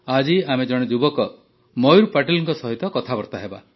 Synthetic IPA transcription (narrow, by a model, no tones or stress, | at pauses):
ad͡ʒiamed͡ʒɔɽ̃ed͡ʒubɔkɔ | mɔjuɾpaʈilɔŋkɔsɔɦit̪ɔkɔt̪ʰabɔɾt̪aɦeba̰